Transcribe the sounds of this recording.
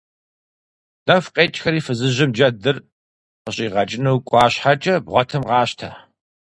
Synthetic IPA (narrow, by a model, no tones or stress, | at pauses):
n̥ɐfqʼeːt͡ʃʼxɐɾiːfɨzɨʑɪmd͡ʒɐdɨr | qəɕʼiːʁɐt͡ʃʼɪnuwkʷʼɑːɕħat͡ʃʼɐbʁʷɔtʰɨmʁɑːɕtʰa̰